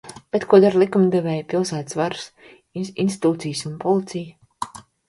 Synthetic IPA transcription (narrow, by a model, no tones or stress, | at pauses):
b̥ɛt̪kuɔd̪aɾlˠikumd̪ɛvɛːjpilˠsæːt̪svaɾs | inst̪it̪uːt̪sijsunpɔlˠit̪sʲijə